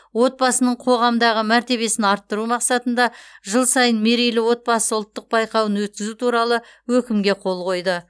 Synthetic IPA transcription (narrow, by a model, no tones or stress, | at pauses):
wo̞t̪̚bɑsənəɴqʰo̞ʁɑmd̪ɑʁəmæɾt̪e̞βe̞sɪnɑɾt̪ːəɾumɑqsɑt̪ənd̪ɑʒəlˠsɑjənme̞ɾijlɪwo̞t̪̚bɑsəʊlˠt̪ːəq̚bɑjqɑwənwɵt̪̚kʲɪzut̪ʰuɾɑlˠəwɵkʲɪmɡʲe̞qʰo̞lˠqʰo̞jd̪ə